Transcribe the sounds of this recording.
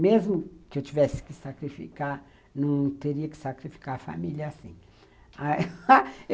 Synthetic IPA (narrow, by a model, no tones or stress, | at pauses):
mezmʊkɪewt͡ʃivɛsɪ̥kɪsakɾifḭkaɾ | nɐ̃w̃t̪eɾiɐkɪ̥sakɾifi̥kaɾfa̰milɐːsḭ̃ | a